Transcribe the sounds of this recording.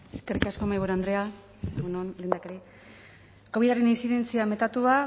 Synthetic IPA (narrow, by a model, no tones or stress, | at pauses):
eskerikasko̞majβuɾand̪ɾe̞a | eɣunonleːnd̪akeɾi | koβiðaɾeninsiðe̞nt͡siame̞t̪at̪ua